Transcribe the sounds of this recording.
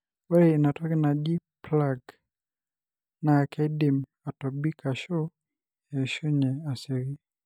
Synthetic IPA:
walɛinatɔkinaʄiplaɡ | nakʰɛdim | atɔbikaʃɔ | jɛʃɔɲɛasiɾi

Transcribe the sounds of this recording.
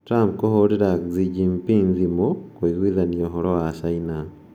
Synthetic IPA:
tɾamp̚kohoɾiɾakzid͡ʒimpinzimokoiɣwiðanioɦoɾowaʃaina

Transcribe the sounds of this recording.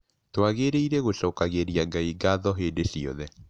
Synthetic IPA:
twaɣeɾeiɾɛɣoʃɔːkaɣeɾijaɡaiɡaðɔɦeːdesiɔ̰ðɛ

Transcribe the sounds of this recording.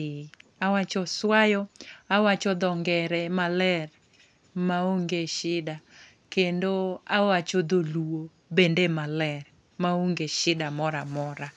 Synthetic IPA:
awat͡ʃɔswajɔawat͡ʃɔd̪ɔŋɡɛɾɛmalɛr | maoŋɡeʃɪda | kendoawat͡ʃod̪oluo | bendemalɛr | maoŋɡeʃɪdamɔɾamɔɾa

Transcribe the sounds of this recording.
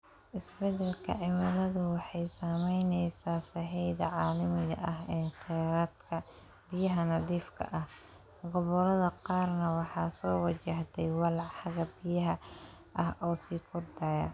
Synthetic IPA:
ʔɪsbɛd̪ɛlkʰɐ̰ʕɪmɐlɐðʊwɑħɑjsaːmɛjnɛjsaːsɐħɛjðɐʕɑːlɪmɪɣɐ̰ʔɐɦɛːqɛɾad̪kʰɐ | bɪjɐɦɐnɐðiːfkʰɐ̰ʔɐh | ɡɔβɔlɐðɐqɑːrnɐwɑħɑːsɔːwɑt͡ʃɐht̪ʰɛjwɑlħɑɣɐbɪjɐɦɐ | ʔɐhɔːsiːkʰʊrd̪ɐjɐ̰

